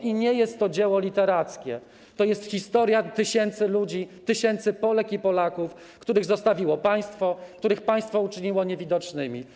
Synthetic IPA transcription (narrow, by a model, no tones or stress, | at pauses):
ʔiɲɛjɛst̪ːɔd͡ʑɛwɔlʲit̪ɛɾat̪skʲɛ̰ | t̪ɔjɛst̪xʲist̪ɔɾʲjat̪ɘɕɛnt̪sɘlud͡ʑit̪ɘɕɛnt̪sɘpɔlɛkipɔlakuf | kt̪uɾɘɣzɔst̪avʲiwɔpaj̃st̪fɔkt̪uɾɘxpaj̃st̪fɔut͡ʂɘɲiwɔɲevʲid̪ɔt͡ʂnɘmʲḭ